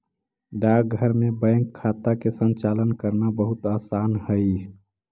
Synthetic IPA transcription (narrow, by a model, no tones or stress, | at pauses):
ɖak̚ɡʱəɾmẽbə̃jŋkʰːat̪akesənt͡ʃaːlənkəɾnabəɦʊt̪aːsaːnhəi